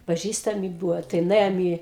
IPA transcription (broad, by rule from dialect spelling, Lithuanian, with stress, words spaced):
pɐˈʒʲiːstɐmʲɪ bʊʋoː tɐɪ nʊˈeːjoːm ɪ